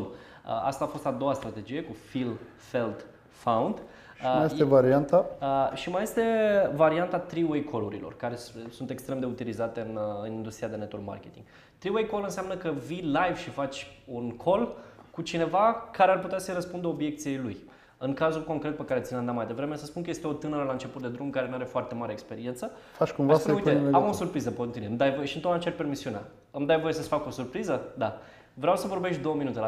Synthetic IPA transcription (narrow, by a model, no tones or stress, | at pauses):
ə̰a̰st̪aːfo̞st̪ad̪o̞wast̪ɾat̪e̞d͡ʒije̞kufil | fe̞lt̪ | fawund̪ | majet̪evaɾiant̪aəʃimaje̞st̪e̞vaɾiant̪at̪ɾiwejkʰo̞luɾilo̞̰rkaɾe̞ssunt̪e̞kst̪ɾe̞md̪e̞ut̪ilizat̪e̞ɨnɨnind̪ust̪ɾijad̪e̞net̪olma̰rkʲe̞t̪ḭŋɡ | t̪ɾiwejko̞lɨnseamnəkəvilajv̥ʃifat͡ʃʲunkʰo̞lkut͡ʃine̞vakaɾearput̪easəjɾəspund̪əobje̞k̚t̪sijejluj | ɨŋkazulko̞ŋkɾe̞t̪̚pekaɾesinand̪amajd̪e̞vɾe̞me̞səspunkəje̞st̪eo̞t̪ɨnəɾəlaɨnt͡ʃe̞put̪̚d̪e̞d̪ɾumkaɾe̞nuaɾe̞foart̪e̞maɾe̞ːkspe̞ɾie̞nt̪sə | fat͡ʃkumveasuj̪eamosurpɾizəpont̪inuemd̪ajvojeʃiɨnt̪onat͡ʃarpe̞rmisiunea̰ | ɨmd̪ajvo̞je̞səsfako̞surpɾizəd̪a | vɾeawsəvo̞rbe̞ʃt̪d̪owəminut̪e